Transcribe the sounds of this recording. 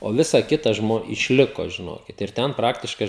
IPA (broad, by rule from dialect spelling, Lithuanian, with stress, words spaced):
oː ˈʋʲɪsɐ ˈkʲɪtɐ ˈʒmoː ɪʃʲˈlʲɪkoː ʒʲɪˈnoːkʲɪt ɪr ˈtʲɛn ˈprɑːktʲɪʃkɐɪ